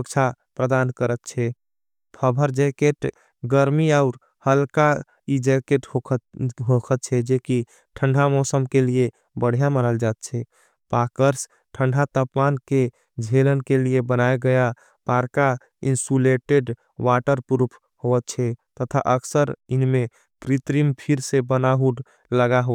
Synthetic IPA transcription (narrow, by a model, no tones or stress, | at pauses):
əkt͡ʃʰa | pɾəd̪ankəɾət̪t͡ʃʰɛ | pʰəbʱəɾd͡ʒekeʈ | ɡəɾmiaʊɾ | həlka | id͡ʒekeʈoɦokʰət̪̚t͡ʃʰɛd͡ʒeki | ʈʰəɳɖʱamɔsəmkelije | bəɽ̤ijaməɾəld͡ʒat̪̚t͡ʃʰɛ | pakəɾs | ʈʰəɳɖʱat̪əpmanke | d͡ʒʱelənkeliebənaeɡəja | paɾka | insuleʈeɖ | waʈəɾpuɾpʰ | hoət̪̚t͡ʃʰɛt̪ət̪ʰa̰ʔəksəɾinme | pɾit̪ɾimpʰiɾsebənaɦuɖ | ləɡaɦo